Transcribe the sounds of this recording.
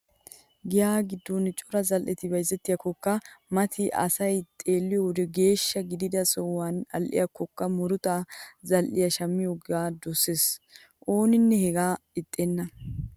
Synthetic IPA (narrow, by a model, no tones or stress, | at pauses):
ɡɪjaːɡɪd̪ːɔnt͡ʃʼɔɾɐzɐlʔɛt̪ɪbɐjzːɛt̪ːɪjɐkɔkːɐmɐt̪ʰɪʔɐ̰sɐjt̪ʼe̞ːlːɪjod̪ɛɡe̞ːʃːɐɡɪd̪ɪd̪ɐsɔwːanɐ̰lʔɪ̰jɐkɔkːɐmɔɾʊt̪azɐlʔɪ̰jɐʃɐmːɪjoɡaːd̪ɔsːeːs | ʔo̞ːnɪnːɛhɛɡaːɪt̪ʼːeːnːɐ